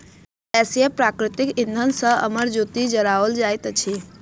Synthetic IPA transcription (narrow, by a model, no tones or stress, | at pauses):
ɛsiepɾakɾɪt̪ɪkɪ̃nd̪ʱənsə̃ə̰məɾd͡ʒot̪id͡ʒəɾaʋəld͡ʒaːjt̪t͡ʃʰi